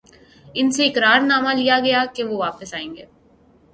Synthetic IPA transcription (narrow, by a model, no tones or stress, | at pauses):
ɪnseɪkɾaːɾnaːmalɪjaɡɐjakeʋoʋaːpəsaːẽːŋɡeː